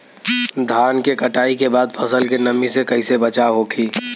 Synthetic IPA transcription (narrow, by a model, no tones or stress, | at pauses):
d̪ʱaːnkekəʈaːikebaːd̪̚pʰəsəlkenəmisekɐisebət͡ʃaɦokʰiː